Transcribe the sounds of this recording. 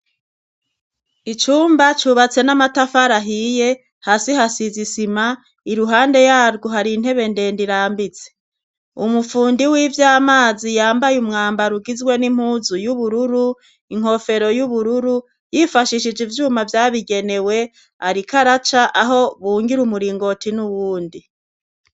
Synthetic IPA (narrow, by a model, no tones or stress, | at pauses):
it͡ʃuːmbat͡ʃuβat͡se̞namatafaɾaɦije̞ | haːsiɦasizisima | iɾuɦaːnde̞jaːɾɡoɦaɾiːn̥he̞βe̞nde̞ːndiɾaːmbit͡se̥ | umufuːndiwiːvjaːmaːzijaːmbajumŋaːmbaɾuɡizwe̞nim̥huːzujuβuɾuɾu | iŋ̥ho̞fe̞ɾo̞juβuɾuɾu | jifaʃiʃid͡ʒivjuːmavjaːβiɡe̞ne̞we̞ | aɾikʰaɾat͡ʃaʔaɦo̞βuːŋɡiɾumuɾiːŋɡo̞tinuwuːndi